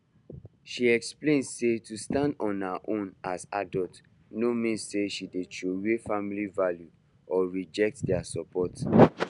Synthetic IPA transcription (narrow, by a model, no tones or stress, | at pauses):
ʃiɛksplẽnsetustãndɔ̃nhaʔõnasa̰dɔlt | nomĩnsseʃidetowefamilivalju | ɔɹid͡ʒɛk̚tdɛasɔpɔt